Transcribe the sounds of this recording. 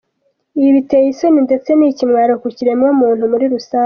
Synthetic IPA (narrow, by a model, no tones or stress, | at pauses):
iiβite̞jisoninde̞t͡se̞nicimŋaːɾokuciɾe̞mwomuːn̥humuɾiɾusaː